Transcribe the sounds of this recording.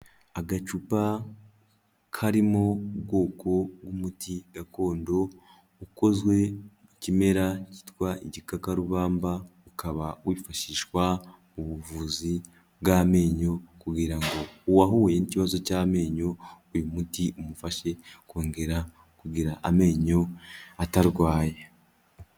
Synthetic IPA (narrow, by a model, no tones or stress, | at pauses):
aɡat͡ʃupa | kʰaɾimo̞bɡo̞ːko̞ɡwumutʰiɡ̥ako̞ːndo̞ | uko̞zwe̞ | ucime̞ɾaci̥twaiɟikakaɾuβaːmbaukʰaβawifaʃiʃwa | uβuvuːzi | bɡaːme̞ːɲo̞kuɡiɾaŋɡo̞uwaɦuːjeniciβazo̞caːme̞ːɲo̞ujumutiʔumufaʃe̞koːŋɡe̞ɾa | kuɡiɾaʔame̞ːɲo̞ataɾɡwaːje